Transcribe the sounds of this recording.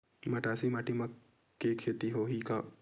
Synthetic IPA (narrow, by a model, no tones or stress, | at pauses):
mɐʈaːsimaːʈimɐkː | ekʰːeːt̪iɦoːɦika